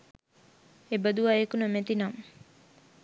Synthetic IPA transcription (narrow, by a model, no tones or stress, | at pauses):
ebəd̪uʋaekunəmet̪inam